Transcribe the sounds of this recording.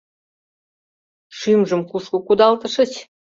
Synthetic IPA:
ʂymʒəmkuʂkə̆kud̪ɑlt̪ə̆ʂə̆t͡ɕ

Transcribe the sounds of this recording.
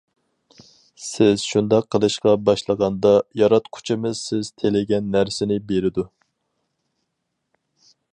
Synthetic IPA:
sɪz̥ʃund̪ɑqʰːəlˠɨʃqɑbɑʃlˠəʁɑnd̪ɑjɑɾɑt̪qʰʊ̥t͡ʃʰɪmɨzsɪz̥t̪ʰelɪɡʲɛnːæɾsɪnɪbeɾɪd̪u

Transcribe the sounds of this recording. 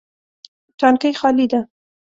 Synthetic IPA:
tankəjxɑlid̪a

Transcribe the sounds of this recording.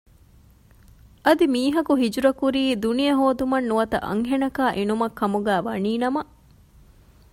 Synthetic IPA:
ɐd̪imiːɦɐkuɦid͡ʒuɾɐkuɾiːd̪unijɐɦoːd̪umɐnːuʋɐt̪ɐ̰ʔɐ̰ŋɦenɐkaːʔenumɐkːɐmuɡæːʋɐniːnɐmɐ

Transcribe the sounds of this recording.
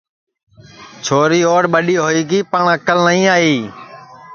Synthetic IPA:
t͡ʃʰoːɾiːoːɽɓəɗiːɦoːiːɡiːpəɳəkəlnəĩːaːɦiː

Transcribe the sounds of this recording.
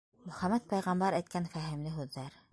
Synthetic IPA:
mɵ̆χæmæt̪̚pæjʁɑmbɑɾæjt̪̚kænfæɦɘ̆mlɘɦʉðːæɾ

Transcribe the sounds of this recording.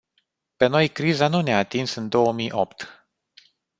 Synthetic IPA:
pe̞no̞jkɾizanuneaːt̪insɨnd̪o̞wəmijʔo̞pt̪

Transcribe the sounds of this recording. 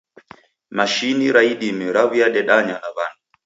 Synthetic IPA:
maʃiniɾaiɗimɛɾavijaɗɛɗaɲanaban

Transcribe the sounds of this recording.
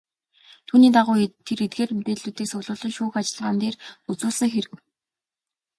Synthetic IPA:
t̪ʰuːniːt̪aʁʊːt̪ʰeɾet̪̚ɡeːrmet̪eːɮuːt̪iːksʊɣɮʊːɮɞ̆ŋʃuːxat͡ɕɪ̆ɮʁaːnt̪eːrut͡sʊːɮsə̆ŋxeɾɘ̆kw

